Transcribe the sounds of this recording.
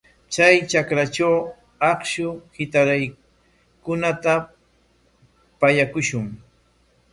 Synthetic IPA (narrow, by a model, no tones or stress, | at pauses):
t͡sajt͡ʃakɾat͡ʃaw | ɑkʃʊhɪt̪aɾaj | kʊnat̪a | paʎakʊʃʊŋ